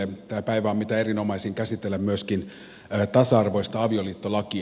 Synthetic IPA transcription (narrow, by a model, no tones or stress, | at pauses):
et̪æːpæiʋæomit̪æe̞ɾino̞mɑisiːŋkæsit̪ːelːæmmyøskinː | t̪ɑsɑɑrʋo̞ist̪ɑɑʋio̞liːt̪ːolɑki